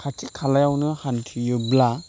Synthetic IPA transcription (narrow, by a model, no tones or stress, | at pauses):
kʰatʰikʰːalajawnɯhankʰijɯbla